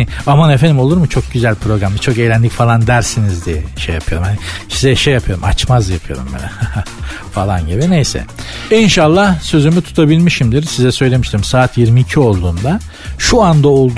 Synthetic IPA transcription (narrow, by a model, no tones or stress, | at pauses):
amanefenimo̞lˠuɾmut͡ʃʰo̞k̚ɟyzælʲpʰɾo̞ɡɾamd̪at͡ʃʰo̞kejlʲænlʲicfalˠand̪æɾsinizd̪ijɛʃejapʰɯjo̞ɾumhanisizɛʃejːapʰɯjo̞ɾṵma̰t͡ʃmazjapʰɯjo̞̰ɾṵmbḭnɛ̰ | falˠanɟibinejsɛ̰inʃalˠːahsø̞zymyt̪ʰu̥t̪ʰabilʲmiʃimd̪iɾsizɛsø̞jlʲe̞miʃt̪ʰiɾmsaːt̪ʰjiɾmiːcʰio̞lˠd̪uːnd̪a | ʃuand̪aolˠd̪